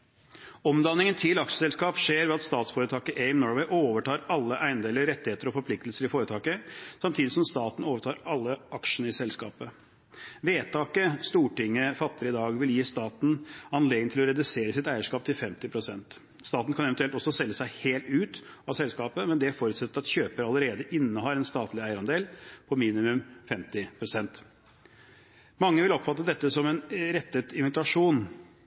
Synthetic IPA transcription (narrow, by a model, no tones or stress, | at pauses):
ɔmd̪ɑnːɪŋənt̪ʰɪlɑkʂə̥sɛlskɑːpʂeːɾʋɛɑt̪st̪ɑːt̪sfoːɾət̪ʰɑːkəʔɛɪmnɔɾʋeɪʔoːʋəʈɑːɾɑlːəʔæɪnd̪eːləɾɛt̪ːɪheːt̪əɾɔfɔɾpʰlɪk̚t̪əlsəɾɪfoːɾət̪ʰɑːkəsɑmt̪ʰiːd̪ɪsɔmst̪ɑːt̪n̩oːʋəʈʰɑːɾɑlːəʔɑkʂəɳ̩əɪsɛlskɑ̰ːpə | ʋeːt̪ʰɑːkəst̪uːʈɪŋːəfɑt̪ːəɾəɪd̪ɑːɡʋɪljiːst̪ɑːt̪n̩ɑnleːɡ̪nənt̪ʰɪlɔɾɛd̪ʉseːɾəsɪt̪æɪəʂkɑːp̚t̪ʰɪlfɛmt̪ɪpʰɾʊsɛnt̪ | st̪ɑːt̪n̩kʰɑnɛʋənt̪ʉɛlt̪ɔsːɔsɛlːəsæɪheːlt̪ʉːt̪ɑʋsɛlskɑːpəmɛnd̪ɛæfoːɾʉt̪sɛt̪ːəɾɑt̪çøːpəɾɑlːəɾeːd̪əʔɪnːəhɑːɾɛnst̪ɑːt̪lɪæɪəɾɑnd̪eːlpʰɔmiːnɪmʉmfɛmt̪ɪpʰɾʊsɛnt̪ | mɑŋːəʋɪlɔpfɑt̪ːəd̪ɛt̪ːəsɔmɛnɾɛt̪ːət̪ɪnʋɪt̪ɑʂuːn